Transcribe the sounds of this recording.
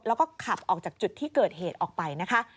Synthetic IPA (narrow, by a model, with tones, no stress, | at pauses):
lɛ˦˥wkɔː˥˩kʰa˨˩p̚ʔɔː˨˩k̚t͡ɕaː˨˩k̚t͡ɕu˨˩t̪ʰːiː˥˩kɤː˨˩t̪̚heː˨˩t̪̚ʔɔː˨˩k̚pa˧jna˦˥kʰa˦˥ʔ